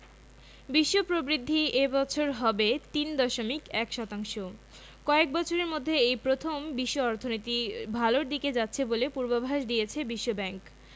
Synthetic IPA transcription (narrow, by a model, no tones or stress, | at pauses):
biʃːopɾobɾid̪ʱːiebɔt͡ɕʰoɾɦɔbet̪ind̪ɔʃomikɛkʃɔt̪aŋʃo | kɔek̚bɔt͡ɕʰoɾeɾmod̪ʱːeejpɾot̪ʰombiʃːoɔɾt̪ʰonit̪ibʱaloɾd̪iked͡ʑatːɕʰebolepuɾbabʱaʃd̪ijet͡ɕʰebiʃːobɛŋk